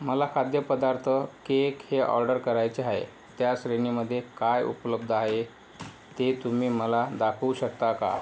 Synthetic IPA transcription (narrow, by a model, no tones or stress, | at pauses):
məlakʰad̪jəpəd̪aɾt̪ʰəkekheʔɔ̰ɾɖəɾkəɾajt͡seaɦḛ | t̪jaɕɾeniməd̪ʱːjekajṵpləb̚d̪ʱaɦe | t̪et̪umiːməlad̪akʰuɕək̚t̪aka̰